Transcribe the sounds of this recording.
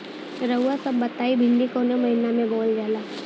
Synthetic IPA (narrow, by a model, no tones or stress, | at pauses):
ɾəɦuasɐbːɐt̪aːibʱɪ̃nd̪ikoːnomɐɦinamẽbɔːld͡ʒaːlaː